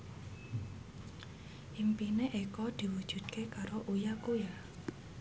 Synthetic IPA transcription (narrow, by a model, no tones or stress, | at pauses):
ʔimpineʔekɔd̪̥i̤wud̥ʒ̥ṳd̪̚kʰekaɾoʔujakuja